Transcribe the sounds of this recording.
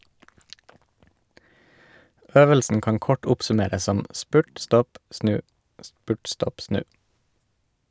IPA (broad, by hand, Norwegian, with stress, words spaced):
ˈøːʋəlsn̩ ˈkɑːn ˈkɔʈ ˈʊpsʉˌmeːɾəs ˈsɔm ˈspʉʈ ˈstɔp ˈsnʉː ˈspʉːʈ ˈstɔp ˈsnʉː